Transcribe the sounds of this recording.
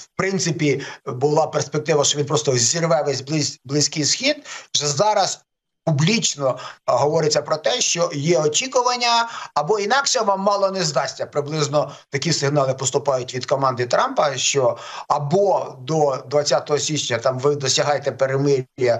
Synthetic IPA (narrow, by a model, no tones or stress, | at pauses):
wpɾɪnt̪sɪpʲibʊlˠɑperspek̚t̪ɪʋɐʃt͡ʃɔʋinpɾɔst̪ɔzʲirʋɛʋɛsʲblˠɪblˠɪsʲkɪjsxʲid̪ʒɛzɑɾɐs | publʲit͡ʃnɔɦɔʋɔɾɪt͡sʲːɐpɾɔt̪ɛʃt͡ʃɔjɛɔt͡ʃʲikʊʋɐnʲːɐːbɔinɑkʃɛʋɑmːɑlˠɔnezd̪ɑsʲtʲɐpɾɪblˠɪznɔt̪ɐkʲisɪɦnɑlˠɪpɔst̪ʊpɑjʊtʲʋʲid̪kɔmɑnd̪ɪt̪ɾɑmpɐʃt͡ʃɔɐbɔd̪ɔd̪ʋɐt͡sʲːat̪ɔɦɔsʲit͡ʃnʲɐt̪ɑmʋɪd̪ɔsʲɐɦɑjt̪ɛpeɾemɪɾjɐ